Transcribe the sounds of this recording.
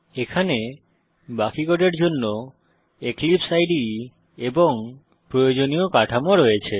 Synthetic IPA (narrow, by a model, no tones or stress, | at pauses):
ekʰane | bakikoʈeɾd͡ʑonːo | eklipsajɖi | eboŋ | pɾojod͡ʑoniokaʈʰamoɾɔet͡ɕʰe